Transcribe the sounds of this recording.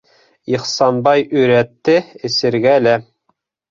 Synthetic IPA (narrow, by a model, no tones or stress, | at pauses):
iχsɑnbɑjɵ̆ɾæt̪ːɘɘ̆sɘ̆ɾɡælæ